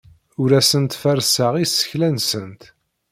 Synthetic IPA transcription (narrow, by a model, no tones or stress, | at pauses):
ʊɾæsənt̪fæɾsaʁisə̥çlænsənt̪